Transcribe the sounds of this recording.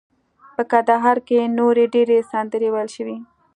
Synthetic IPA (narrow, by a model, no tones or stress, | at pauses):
pəkand̪aɦɑɾkenoɾeɖeɾesɑnd̪əɾewajəlʃəwi